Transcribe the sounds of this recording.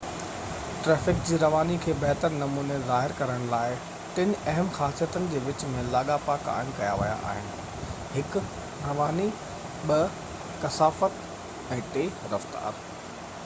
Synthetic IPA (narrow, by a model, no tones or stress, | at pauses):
ʈɾɛːfɪkd͡ʑiːɾɐʋaːnikʰeːbɛɦt̪əɾnɐmuːnezaːɦɪɾkɐɾəɽ̃laːɪ | ʈɪnɐɦəmxaːsijət̪ənɪ̆d͡ʑeːʋɪt͡ɕmẽlaːɠapaːka̰ːɪmkɐjaʋɐja̰ʔa̰ːɦɪnɪ̆ | hɪk | ɾɐʋaːni | ɓɐ | kɐsaːfət̪ | ɛ̃ːʈeːɾɐft̪a̰ːɾ